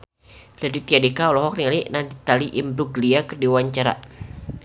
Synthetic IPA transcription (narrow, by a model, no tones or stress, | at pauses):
lɛdit̪iadekaɔlɔɦɔk̚niŋalinand̪it̪aliʔimbɾuɡliakərdiwaɲt͡ʃaɾa̰